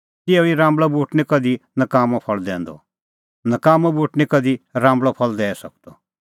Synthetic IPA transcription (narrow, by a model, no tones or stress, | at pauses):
t̪ɪoiɾãːmblɔbuːʈnikɐd̪inəkaːmɔpʰɐɭd̪ɛ̰̃ːnd̪ɔ̰ | nəkaːmɔ̃buːʈnikɐd̪iɾãːmbɭɔpʰɐld̪ɛːsɐk̚d̪ɔ